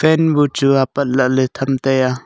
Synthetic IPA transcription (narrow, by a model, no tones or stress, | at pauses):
fɛnbut͡suapɐt̪̚laʔlɛt̪ʰɐmt̪ɛja